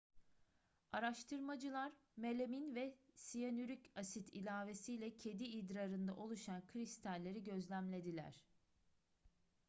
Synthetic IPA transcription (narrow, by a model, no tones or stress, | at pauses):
aɾaʃt̪ʰɯɾmad͡ʒɯlˠaɾme̞lʲeminvɛsijanyɾycasit̪ʰḭlʲaːve̞sijlʲɛcʰe̞d̪iːd̪ɾaɾɯnd̪a̰ʔo̞lˠuʃankʰɾist̪ʰalʲːe̞ɾiɟø̞zlʲæmlʲe̞d̪ilʲæ̰ɾ̥